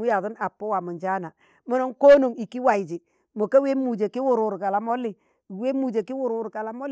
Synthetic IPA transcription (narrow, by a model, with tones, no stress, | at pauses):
mu˦ja˨ðʊ˦na˨pːo˦wa˨mu˨nd͡ʒa˦na˨ | mo˦no˦ŋko˦no˨ŋi˨ki˦wa˨i˨d͡ʒɪ˨ | mo˨ka˦we˦mu˨d͡ʒe˨kɪ˦wʊ˦˨ɾu˨ɾka˨la˨mo˦lɪ˨ | we˦mu˨d͡ʒe˨ki˦wʊ˦ɾu˨ɾka˨la˨mo˦l